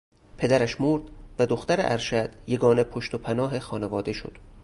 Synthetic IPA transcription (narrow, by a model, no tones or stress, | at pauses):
pʰe̞d̪æɾæʃmoɾd̪væd̪oxt̪æɾḛʔæɾʃæd̪̥je̞ɡɒːnepʰoʃt̪opʰænɒːɦexɒːnevɒːd̪e̞ʃo̰d̪̥